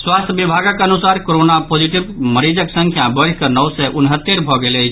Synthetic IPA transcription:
swast̪ʰjbibʱaɡəkənusaɾkoɾonapod͡ʒiʈibməɾid͡ʒəksə̃ŋkʰjabəɽkənəwsɛʔunɦət̪ːeɾbʱɔɡelet͡ʃʰ

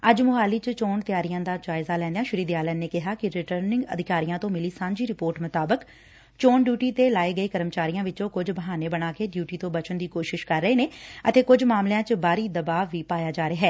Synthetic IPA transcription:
əd͡ʒmʊɦaːliːt͡ʃt͡ʃoːnt̪ɪjaːɾijãːd̪aːd͡ʒaːɪzaːlɛ̃ːnd̪ejãːʃʊɾiːd̪jaːləːnneːkɪɦaːkɪɾɪʈəɾnɪ̃ŋɡə̰d̪ɪkaːɾijãːt̪õːmɪliːsãːɲd͡ʒiːɾɪpoːɾʈmʊt̪aːbək | t͡ʃoːnɖjuːʈiːt̪eːlaːeːɡəeːkəɾəmt͡ʃaːɾijãːʋɪt͡ʃõːkʊd͡ʒbəɦaːneːbəɽaːkeɖjuːʈiːt̪õːbət͡ʃənd̪iːkoːʃɪʃkəɾːəeːneːət̪eːkʊd͡ʒmaːmlejãːt͡ʃbaːɾiːd̪əbaːʋiːpaːjaːd͡ʒaːɾeːɦɛː

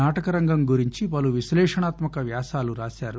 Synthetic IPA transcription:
aːʈɐkɐɾɐŋɡɐmɡuɾiɲt͡ʃipɐluʋislɛːʂɐɳaːt̪mɐkɐʋjaːsaːluɾaːsaːɾu

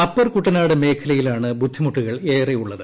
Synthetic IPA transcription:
ɐpːɐrkuʈːɐnaːɽɨme̞ːkʰɐlɐjilaːɳɨbud̪ʱːimuʈːuɣɐɭeːrejuɭːɐðɨ

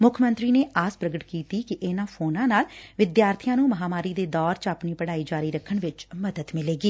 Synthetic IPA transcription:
mʊkʰmə̃nt̪ɾiːneːʔaːspɾəɡəʈkiːt̪iːkɪʔenãːpʰoːnãːnaːlʋɪd̪jaːɾt̪ʰɪjãːnũːməɦaːmaːɾiːd̪eːd̪ɔːɾt͡ʃaːpniːpəɽaːiːd͡ʒaːɾiːɾəkʰːəɳʋɪt͡ʃməd̪əd̪mɪleːɡiː

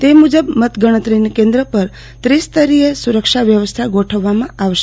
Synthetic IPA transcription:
t̪emud͡ʒəbmət̪ɡəɽ̃ət̪ɾinkẽnd̪ɾəpəɾ | t̪ɾist̪əɾiesuɾəkʃaʋjəʋəst̪ʰaɡoʈʰəʋːamãaʋʃe

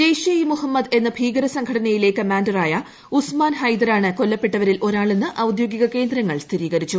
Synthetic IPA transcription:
d̪ejɕjɐjimuhɐmːɐd̪e̞nːɐbʱiːɡɐɾɐsɐŋɡʰʱɐɽɐnɐjile̞kɐmaːndɐraːjɐ | usmaːnhɐjd̪ɐɾaːɳɨko̞lːɐpːe̞ʈːɐʋɐɾilʔo̞ɾaːɭenːɨʔɐwud̪joːɡiɣɐke̞ːnd̪ɾɐŋːɐɭst̪ʰiɾiːɣɐɾit͡ɕːu

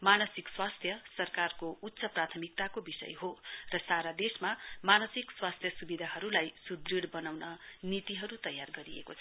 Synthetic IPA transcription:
manʌsikswast̪ʰjʌsʌrkarkout̪ːsʌprat̪ʰʌmik̚t̪akobisʌ̰jɦorʌsaɾad̪esmamanʌsikswast̪ʰjʌsubid̪ʱaɦʌɾulajsud̪riɽbʌnawnʌnit̪iɦʌɾut̪ʌjarɡʌɾiḛkot͡sʰʌ

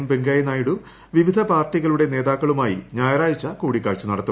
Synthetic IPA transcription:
mbeŋɡaːjɐnaːjiɽu | ʋiʋid̪ʱɐpaːrʈːiɣɐɭuɽe̞ne̞ːðaːkːɐɭumaːjḭɲaːjɐɾaːjit͡ɕːɐkuːɽikːaːɭt͡ɕːunɐɽɐt̪ːu

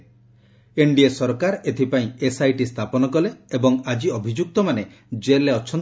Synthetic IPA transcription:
eɳɖiesɔɾkaɾet̪ʰipaĩesajʈist̪ʰapɔnɔkɔleebɔŋad͡ʒiɔbʱid͡ʒuk̚t̪ɔmane | d͡ʒeleɔt͡ʃʰːɔn

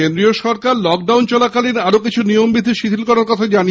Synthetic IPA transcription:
end̪ɾioʃɔɾkaɾlɔk̚ɖawnt͡ɕɔlakalinaɾokit͡ɕʰunijombid̪ʱːiʃit̪ʰilkɔɾaɾkɔt̪ʰad͡ʑani

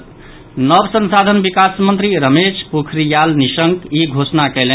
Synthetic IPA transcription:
nəbsənsad̪ʱənbikasmənt̪ɾiɾəmespukʰɾijalnisəŋkiɡʱosnakɛlen

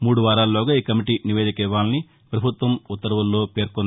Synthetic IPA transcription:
muːɽuʋaːɾaːllɔːɡaiːkɐmiʈiːniʋeːd̪ikɛʋaːlɐni | pɾɐbʱut̪ʋɐmut̪ːɐɾɐʋɐlːo̞ːpe̞ːɾkɔnː

